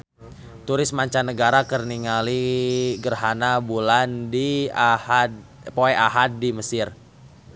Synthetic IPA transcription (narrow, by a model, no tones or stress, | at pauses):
t̪uɾɪsmaɲt͡ʃanəɡaɾakərniŋaliɡərɦanabulandihpoɛʔaɦat̪̚diməsɪr